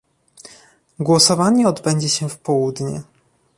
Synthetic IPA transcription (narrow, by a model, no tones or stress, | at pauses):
ɡwɔsɔvaɲɛɔd̪bɛɲd͡ʑɛɕɛfpɔwud̪ɲɛ̰